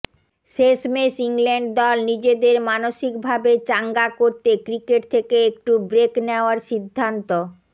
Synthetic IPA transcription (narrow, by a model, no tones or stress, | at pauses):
ʃeʃmeʃiŋleɳɖd̪ɔlnid͡ʑed̪eɾmanoʃikbʱabet͡ɕaŋɡakoɾt̪ekɾikeʈ̚t̪ʰekeek̚ʈubɾekneoaɾʃid̪ʱːant̪o